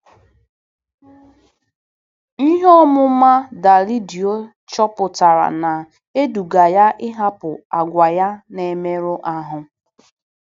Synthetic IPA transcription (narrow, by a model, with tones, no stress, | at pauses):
i˦ɦɔ˦mʊ˦ma˦da˨li˦di˨o˦ | t͡ʃɔ˦pʊ˨ta˨ɾa̰˨na˨ | e˦du˨ɡa˨ja˦ʔɪ˦ɦa˦pʊ˨a˨ɡʷa˨ja˦ne˨me˦ɾʊ˦ʔa˦ɦʊ˨